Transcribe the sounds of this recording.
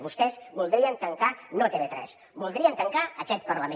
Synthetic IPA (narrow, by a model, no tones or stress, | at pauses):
βust̪ɛzbulˠd̪ɾiənt̪əŋkanot̪eβet̪ɾɛ̰s | bulˠd̪ɾiənt̪əŋkaəkɛt̪̚pəɾləme